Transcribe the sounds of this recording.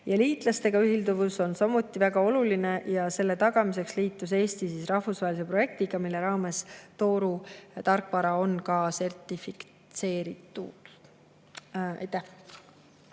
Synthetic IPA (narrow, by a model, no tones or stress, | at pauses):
jɑliːt̪ˑlɑst̪e̞ɡ̥ɑyɦild̪uvuso̞nsɑmut̪ːˑivæɡ̥ɑo̞luline̞jɑse̞lːe̞t̪ɑɡ̥ɑmise̞ksliːt̪ːˑus̬e̞ːst̪isisrɑhfusvɑɦelise̞pro̞je̞k̚t̪iɡ̥ɑmilːe̞ɾɑːme̞st̪o̞ːɾut̪ɑrkːˑvɑɾɑo̞nkɑse̞rt̪ˑifik | t̪se̞ːɾit̪ːˑṵd̪̥ | ɑ̰jt̪ːæh